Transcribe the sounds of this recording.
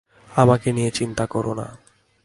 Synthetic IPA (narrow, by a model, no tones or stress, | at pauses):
amakenijet͡ɕint̪akɔɾona̰